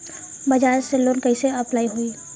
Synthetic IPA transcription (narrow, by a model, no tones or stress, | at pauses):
bɐd͡ʒaːeselːoːnkɐiseɐplaːiɦuiː